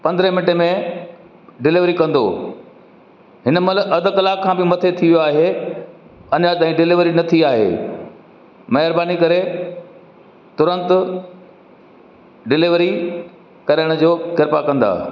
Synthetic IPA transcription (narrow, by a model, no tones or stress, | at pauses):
pɐ̃nd̪ɾemɪnʈemẽ | ɖɪlɪʋɾikɐ̃nd̪o̰ː | ɦɪnəmɐlʔɐd̪ə̆kɐlaːkʰːãːbɪmɐt̪ʰet̪ʰiʋijoaːɦe | ɐɲat̪aːĩɖɪlɪʋɾinɐt̪ʰiaːɦḛː | mɐɦɪɾbaːnikɐɾe | t̪ʊɾə̃nt̪ʊ | ɖɪlɪʋɾi | kɐɾəɽ̃ʊd͡ʑoːkɪɾpakɐ̃nd̪a̰ː